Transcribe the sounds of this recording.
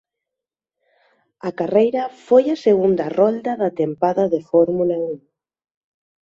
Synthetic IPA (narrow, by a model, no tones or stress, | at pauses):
ɐkarejɾɐfojɐseɣund̪ɐrɔld̪ɐðɐt̪empaðɐðefɔɾmulauŋ